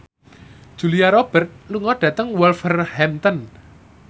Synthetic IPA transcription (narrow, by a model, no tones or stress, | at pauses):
d̥ʒ̥ṳliaɾɔb̥ərt̪̚luŋɔɖ̥ä̤t̪əŋwɛlfərhɛmt̪ɔn